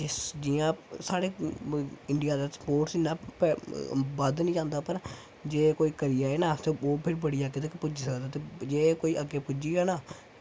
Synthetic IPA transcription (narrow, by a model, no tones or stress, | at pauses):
d͡ʒesd͡ʒiːãːsaːɽeː | ɪɳɖɪjaːd̪aːsə̥poːɾʈsɪnãːpː | bəd̪nĩːd͡ʒãːnd̪aːpəɾ | d͡ʒeːkoːiːkəɾiːaːeːnãːt̪eːoːpʰɪɾbəɽiːaɡet̪akepʊd͡ʒiːsəkd̪aːt̪eːd͡ʒeːkoːiːʔəɡeːpʊd͡ʒiːaːnaː